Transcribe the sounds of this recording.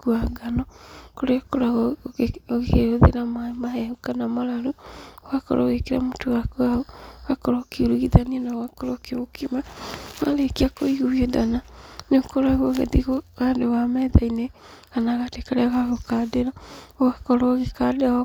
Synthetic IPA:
kuaŋɡanɔkoɾekoɾaɣ | ɣeeɾoðḛɾamamaɦɛhukanamaɾaɾoɣakɔ̰ɾʔo̰ɣekeɾa̰mutowakoaoɣakɔɾɔkiuɾuɣiðanianawakɔɾokeokimawaɾekiakoiɣuiodananekoɾaɣoɣḛðiɣoɣandowamɛðaineɣanaɣadekaɾɛaɣaɣokadeɾaoɣakɔɾɔɣekadea

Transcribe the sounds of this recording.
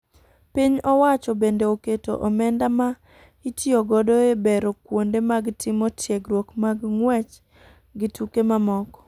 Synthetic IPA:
piɲɔwat͡ʃɔbendeoketo̰ʔɔmɛndama | itjoɡɔdɔebeɾokwondemaɡtʰɪmɔtʰjɛɡɾwokmaɡŋwɛt͡ʃ | ɡɪtukemamɔkɔ̥

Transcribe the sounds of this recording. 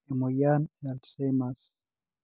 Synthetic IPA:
emojanealsemas

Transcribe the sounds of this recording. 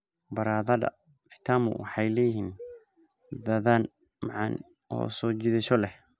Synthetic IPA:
bɐɾaːðɐðɐ̰ | fɪ̥t̪ʰaːmʊ̰wɑ̰ħɑjlɛjɪhiːn | ðɐðaːn | mɑʕɑ̰n | ɔ̰ːsɔːd͡ʒɪðɪʃɔlɛh

